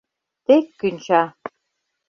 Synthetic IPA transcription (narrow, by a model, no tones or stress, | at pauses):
t̪ekːynʲt͡ɕɑ